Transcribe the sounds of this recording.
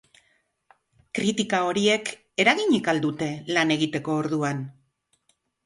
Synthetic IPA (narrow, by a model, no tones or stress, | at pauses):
kɾit̪ikao̞ɾie̞k | e̞ɾaɣiɲikald̪ut̪e̞lane̞ɣit̪e̞ko̞ːɾðuan